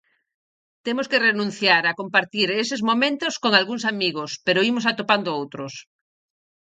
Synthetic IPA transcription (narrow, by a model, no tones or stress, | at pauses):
t̪emoskerenũn̟θjaɾakompaɾt̪iɾesezmomẽnt̪oskoŋalɣuŋsamiɣ̞ospeɾoimosat̪opand̪oowt̪ɾos